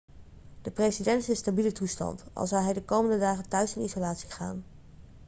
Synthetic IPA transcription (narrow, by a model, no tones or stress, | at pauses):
d̥əprejsidɛntɪstabilətustɑ̰ntɑ̰lˠzɑwɦɛjdəkowməndədaːχəntœɥsɪnizolaːtsi̥χa̰ːn